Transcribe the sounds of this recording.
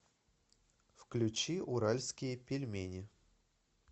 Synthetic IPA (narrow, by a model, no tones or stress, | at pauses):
fklʲʉt͡ɕiʔʊɾalʲskʲɪjəpʲɪlʲmʲenʲɪ